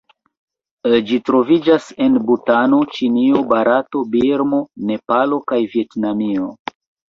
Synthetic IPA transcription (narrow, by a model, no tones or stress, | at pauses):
d͡ʒitɾo̞vid͡ʒase̞nbutano̞t͡ʃiniobaɾato̞biɾmo̞ne̞palo̞kajvie̞tnamio̞